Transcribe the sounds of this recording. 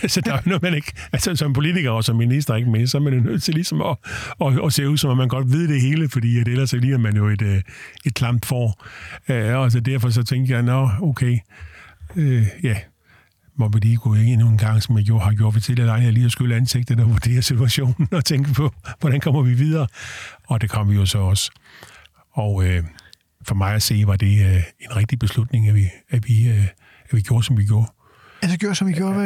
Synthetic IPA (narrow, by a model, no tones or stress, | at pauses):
æsɒd̥ænɒmæne̝ɡ̥ælsəsɒ̽mpʰo̝lit͡sʰiɡ̥ɐɒsɒ̽mːinis̬d̥ɐe̝ɡ̥əmesɒ̽æɐmænjo̝nøð̰ˠt͡sʰe̝lisɒ̽mɒː | ɒse̝̰ːuðˠsɒ̽mɒmːænɡ̥ɒ̽d̥ʋiðˠd̥e̝ɦe̝ːləfɒ̽d̥ḭːæd̥eelɐsliːæmænjo̝e̝d̥e̝d̥ʰlɑ̈m̰b̥fɒ̰ːøɒls̬ɒd̥æɐ̰fɒ̽s̬ɒ̽t͡sʰeŋ̰ɡ̥jɑ̈ɪnɒoʊkʰeɪ | øjæ | mɒʋiliːɡ̥ʰue̝ɡ̥nun̩ɡ̥ɑ̈ŋ̰sɒ̽mjɑ̈ɡ̥jo̝ɐhɑ̈ɡjo̝ɐ̰̥fɒt͡sʰel̰æl̥ɑ̈ɪnæliːɒsɡ̥øləænse̝ɡ̥̚d̥ðˠɒʋud̥e̝̰ːɐsit͡sʰuæɕo̝̰ːnn̩ɒ̽t͡sʰeŋɡ̥əpʰɒ̽ʋɒɾ̥ænkʰɒ̽m̰ɐʋiʋiðˠɐːɒ̽d̥e̝kʰɒ̽m̰ʋijo̝sɒ̽ɒ̽s | ɒʊø | fɒ̽mɑ̈ɪæse̝̰ːʋɑ̈d̥e̝enʁɛɡ̥̚d̥ib̥e̝slud̥ne̝ŋæʋiæʋi | æʋiɡ̥jo̝ːɐsɒ̽mʋiɡ̥jo̝ːɐ̰ | æseɡjoɐsɒmʋiɡ̥jo̝ɐ